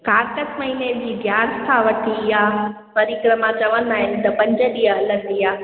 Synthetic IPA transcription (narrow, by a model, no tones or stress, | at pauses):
kaːɾkəsmɐɦined͡ʑiːɡʱjaːskʰaʋɐʈʰijaː | pɐɾikɾəmãt͡ɕɐʋənd̪aːɦɪnɪ̆t̪ɐpɐ̃ɲd͡ʑəɗiəɦɐlənd̪ijaː